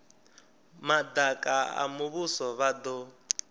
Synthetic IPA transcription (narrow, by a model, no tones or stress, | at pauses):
mad̪akʼaa̰muβusɔβad̪ɔ